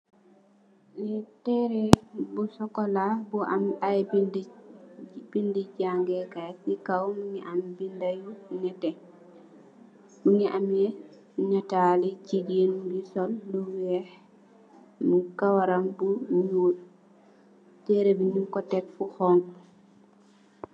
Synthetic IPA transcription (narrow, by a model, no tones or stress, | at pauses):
litɛɾɛbusɔkɔlabuʔamajbind | bindiɟaŋɡɛkajikawmuŋiʔambindajuɲɛtɛ | muŋiʔamjɛ | ɲatalit͡ʃiɟenbisɔlːuwɛ | mukawaɾambuɲu | tɛɾebiɲukɔtɛkfuxɔŋ